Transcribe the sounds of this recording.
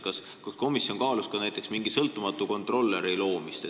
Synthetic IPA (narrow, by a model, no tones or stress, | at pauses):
kɑs | kɑsko̞misjo̞ŋkɑːluskɑnæjt̪ːˑe̞ksmiŋɡ̥isɤlt̪ːˑumɑt̪ːˑuko̞nt̪ˑro̞lːeɾejlo̞ːmist̪e